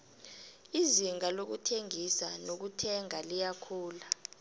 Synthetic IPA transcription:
iziŋalok̬utʰeŋisanok̬utʰɛŋalijakʰuːla

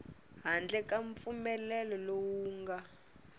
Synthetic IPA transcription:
ɦand͡ɮɛkaɱp̪fumɛlɛlɔlowuːŋɡa

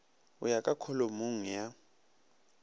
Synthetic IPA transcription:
ṵjakʼakʰɔlomuŋ̩ja

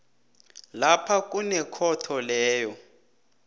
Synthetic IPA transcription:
lapʰak̬ʼunɛkʰɔtʰɔlɛːjɔ

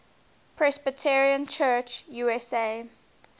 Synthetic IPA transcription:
pʰɹɛsbətʰɛɹiə̃nt͡ʃʰɜt͡ʃjuːɛseː

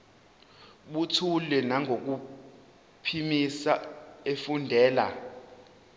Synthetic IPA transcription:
ɓutʰulɛnaŋɡʱok̬u | pʰimisaefundʱɛːla̰

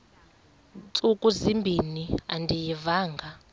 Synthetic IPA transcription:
t͡sʼukʼuzimbʱiniandijɛvaːŋɡʱa

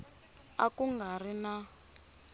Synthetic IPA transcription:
a̰kuŋɡarina

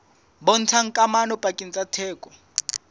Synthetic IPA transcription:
bɔn̩t͡sʰaŋ̩kʼamanɔpʼakʼin̩t͡sʼatʰɛːkʼɔ̥

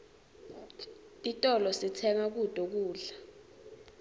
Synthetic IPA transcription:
itʼɔlɔsitʰɛŋak̬ud̥ʱʼɔk̬uːɮa

